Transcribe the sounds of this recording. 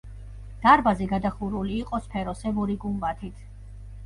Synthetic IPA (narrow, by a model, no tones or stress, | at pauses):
d̪̥aɾbazɛɡad̪aχuɾuliːqʼɔspʰɛɾɔsɛvɔɾiɡumbat̪ʰit̪ʰ